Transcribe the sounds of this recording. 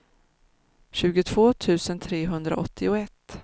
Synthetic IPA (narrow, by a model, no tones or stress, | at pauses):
ɕʉ̟ːɡʊt̪ʰv̥oːt̪ʰʉ̟ːsənt̪ʰɾeːɦɵnd̪ɾa̰ʔɔt̪ʰːɪʊɛt̪ː